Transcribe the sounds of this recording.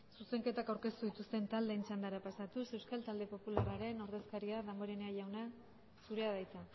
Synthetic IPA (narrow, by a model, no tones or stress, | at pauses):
suse̞ŋke̞t̪akawɾke̞st̪uðit̪ust̪e̞nt̪ald̪e̞ːnt͡ʃand̪aɾapasat̪use̞wskalt̪ald̪e̞po̞pularaɾe̞no̞ɾðe̞skaɾiaðamboɾeneaʝawna | suɾe̞aðajt͡s̪a